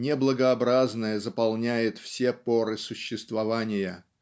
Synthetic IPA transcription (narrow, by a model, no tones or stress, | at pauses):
nʲɪblˠəɡəɐbɾaznəjəzəpɐlˠnʲæjɪt̪fsʲepoɾɨsʊɕːɪst̪vɐvanʲɪjə